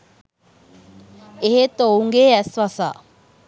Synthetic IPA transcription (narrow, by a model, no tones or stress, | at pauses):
eɦet̪ouŋɡeːæsʋasa̰ː